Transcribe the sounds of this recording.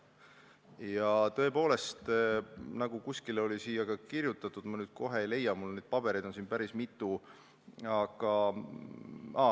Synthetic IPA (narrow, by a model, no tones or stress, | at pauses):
jɑt̪ɤ̞e̞po̞ːle̞st̪nɑɡ̥ukuskilo̞lisiːjɑɡ̥ɑkirjut̪ˑːɑt̪ːˑud̪̥mɑnyːd̪̥̚ko̞ɦe̞ejle̞jːɑmulned̪̥̚pɑb̥e̞ɾijd̪̥o̞nsinpæɾismit̪ːˑu | ɑɡ̥ɑ | ɑ